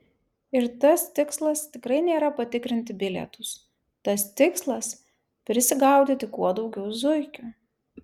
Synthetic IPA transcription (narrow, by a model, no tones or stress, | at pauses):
ɪɾt̪ɐst̪ʲɪkslˠɐst̪ʲɪkɾɐɪnʲeːɾɐpɐt̪ʲɪkɾʲɪnʲt̪ʲɪbʲɪlʲɛ̰t̪ʊs | t̪ɐst̪ʲɪkslˠɐs | pʲɾʲɪsʲɪɡɐˑʊd̪ʲit̪ʲɪkuɔd̪ɒʊɡʲɛʊzʊɪkʲʊ